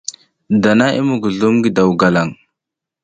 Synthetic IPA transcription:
da˨na˦ʔḭ˦mu˨ɡu˨ɮu˦mɡi˨da˨wɡa˨la˨ŋ

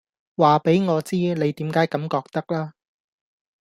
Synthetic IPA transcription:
waː˨˩pe˨˥jŋɔː˨˧t͡siː˥ne˨˧jt̪iː˨˥mkaː˨˥jkɐ˨˧˥mkɔː˧k̚t̪ɐ˥k̚laː˥

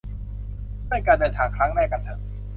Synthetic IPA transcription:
naː˥˩jkaː˧ndɤː˧nt̪ʰaː˨˩˦ŋkʰɾa˦˥ŋnɛː˥˩ka˧nt̪ʰa˨˩

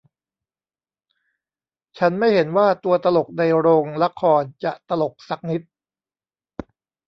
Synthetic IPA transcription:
t͡ɕʰa˦˥nma˥˩jɦe˩˦nwaː˥˩t̪u˧ɐt̪a˧lo˨˩k̚da˧jɾoː˧ŋla˦˥kʰːɔː˧nt͡ɕa˨˩ʔt̪a˧lo˨˩k̚sa˨˩k̚ni˦˥t̪̚

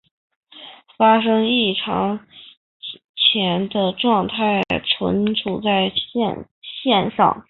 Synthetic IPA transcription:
fa˥ʂɤ˥ŋi˥˩ʈ͡ʂʰɑ˧˥ŋ | t͡ɕʰjɛ˧˥nd̪ə˧ʈ͡ʂwɑ˥˧ŋt̪ʰa˥˩ɪʈ͡ʂʰwə̰˧˥nʈ͡ʂʰu˨˩t͡sa˥˧ɪ˥˧n | ɕjɛ˥˧nʂɑ̰˥˩ŋ

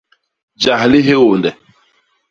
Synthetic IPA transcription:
d͡ʒa˨hli˦ɦe˦wo˨ndɛ˨

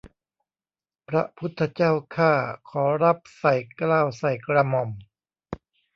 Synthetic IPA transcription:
pɾa̰˦˥pʰu˦˥t̪ʰːa˧t͡ɕaː˥˩wkʰaː˥˩kʰɔː˩˦ɾa˦˥p̚sa˨˩jklaː˥˩wsa˨˩jkɾa˧mɔ˨˩m

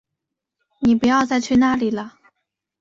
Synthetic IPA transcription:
ni˨˩pu˧˥jɑ˥˧ʊt͡sa˥˧ɪt͡ɕʰy˥˧na˥˩li˨˩lə˦

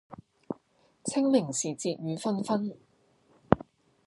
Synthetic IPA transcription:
t͡sʰɪ˥ŋmɪ˨˩ŋsiː˨˩t͡siː˧t̚jyː˨˧fɐ˥nfɐ˥n

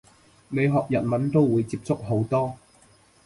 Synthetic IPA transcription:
me˨˧jɦɔː˨k̚jɐ˨˩nmɐ˨˥nt̪o˥wwuː˨˧jt͡siː˧p̚t͡sʊ˥k̚ɦo˨˥wt̪ɔː˥

